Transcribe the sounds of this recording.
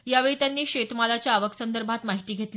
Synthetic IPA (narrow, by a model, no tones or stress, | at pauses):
jaʋeɭiːt̪janːiːɕet̪malat͡ɕjaːʋəksənd̪əɾbʱat̪maɦit̪iːɡʱet̪l